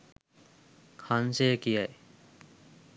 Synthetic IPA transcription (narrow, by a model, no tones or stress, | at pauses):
kʰansekijaj